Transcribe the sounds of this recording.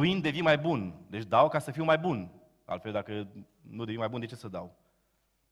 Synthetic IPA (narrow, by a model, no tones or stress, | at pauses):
uind̪e̞vinmajbund̪e̞t͡ʃʲd̪awkasəfiwmajbun | a̰lt̪fe̞ld̪akə | nud̪e̞vinmajbund̪e̞t͡ʃesəd̪a̰w